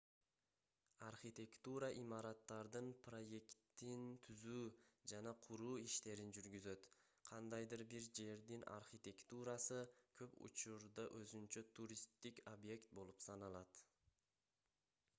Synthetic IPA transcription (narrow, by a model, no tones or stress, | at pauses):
arχit̪ʲe̞kt̪uɾɑʔimɑɾɑt̪ːɑɾd̪ɯnpʰro̞je̞kt̪ːint̪ʰyzyːd͡ʒanɑqʰuɾuːiʃt̪e̞ɾind͡ʒyɾɡʲyzø̞t̪ | qʰɑnd̪ɑjd̪ɯɾbiɾd͡ʒe̞ɾd̪ina̰rχit̪ʲe̞kt̪uɾɑsɯkʰøpṵt͡ʃuɾd̪ɑʔøzynt͡ʃøt̪ʰuɾʲist̪ːikʲobje̞kt̪̚bo̞lˠupsɑnɑlˠɑt̪